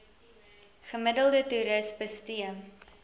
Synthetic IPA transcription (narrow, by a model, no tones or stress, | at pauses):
χəmədəlˠdətuɾəsbəstiə